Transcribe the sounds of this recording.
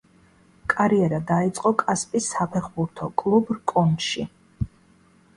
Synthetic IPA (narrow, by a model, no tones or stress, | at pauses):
kʼaɾiɛɾad̪ait̪sʼqʼɔkʼaspʼisːapʰɛχbuɾt̪ʰɔkʼlˠubɾkʼɔnʃi